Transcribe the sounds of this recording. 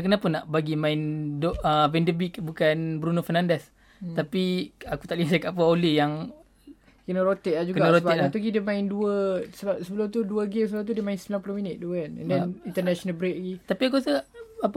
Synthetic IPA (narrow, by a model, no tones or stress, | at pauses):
k̬ənapənːaʔbaɡimãɪndoəvɛndəbikbukanbɾunofɛrnandɛs | t̪apiaku̥t̪aʔlisakaʔpəolejaŋ | kənəɾot̪eʔ̚lad͡ʒuɡkəɡanəɾot̪iat̪uɡidəmãɪnduəsəbap̚səbəlʊmt̪uduəɡemsəbəlumt̪udiəmãɪnsəmbilãmpulohminət̪̚duəkanɛ̰̃ndɛnint̪ənɛʃonəlbɾeʔ̚laɡit̪apiak̬usəaʔap